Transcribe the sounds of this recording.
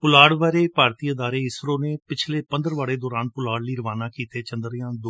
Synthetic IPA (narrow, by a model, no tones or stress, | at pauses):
pʊlaːɽʋaːɾeːpaːɾt̪iːəd̪aːɾeːɪsɾõːneːpɪt͡ʃʰleːpənd̪əɾʋaːɽeːd̪ɔːɾaːnpʊlaːɽliːɾəʋaːnaːkiːt̪eːt͡ʃə̃nd̪ɾjãːd̪o